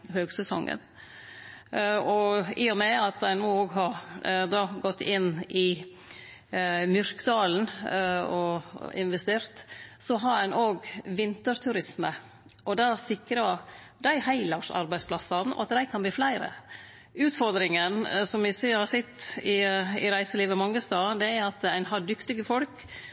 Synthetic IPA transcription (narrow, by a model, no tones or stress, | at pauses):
høːɡsɛsɔ̰ŋɡə̰n | ɔɪːɔmɛɑt̪̚d̪æɪnuːoːɡɦɑɾd̪ɑːɡɔt̪ːɪnːʔɪ | mjʏɾkd̪ɑːln̩ɔɪ̰nʋɛst̪eːɾt̪sɔɦɑɾænʔoːɡʋɪnt̪əɾt̪ʰʉɾɪsmə | ʔɔd̪ɑsɪkɾɑ | d̪æɪhæɪlɑʂɑ̰ɾbæɪspʰlɑsɑn̩ɔ̰ɑ̰t̪d̪æɪkʰɑnb̪iːflæɪɾə̰ | ʉːt̪fɔɾd̪ɾɪŋənsɔmʋɪsəhɑsɪt̪ːɪɪɾæɪsəliːʋəmɑŋːəst̪ɑːd̪ɛæɾɾɑt̪æɪnɦɑɖʏkt̪ɪɡəfɔlk